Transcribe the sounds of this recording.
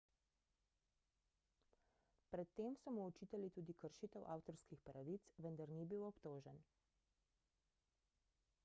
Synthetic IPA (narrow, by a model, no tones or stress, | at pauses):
pɾɛt̪ːeːmsɔmuɔt͡ʃiːt̪alit̪uːd̪ikəɾʃiːt̪ɛwʔaːwt̪ɔɾskixpɾaʋit̪sʋənd̪aɾniːbiːwɔpt̪oːʒɛn